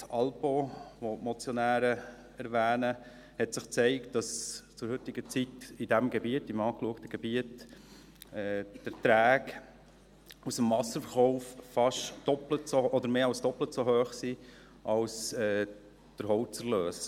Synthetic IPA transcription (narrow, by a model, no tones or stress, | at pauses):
sɑlpoʋomɔt͡sjɔnæːɾə | æɾʋæːnə | hɛtsɪχt͡seɪkt̚d̥ɑst͡sʊɾɦʏtɪɡ̥ət͡sitidæmɡɛbiətɪmɑːkluəktəɡ̥ɛbiət | ɛːd̥ətɾæːk | usəmvɑsəɾfəɾχɔʊffɑʃd̥ɔplətsoɔd̪əɾmeːɑlsd̥ɔplətsoɦøːχsi | ʔɑlsɛː | d̥əɾɦɔwt͡səɾløːs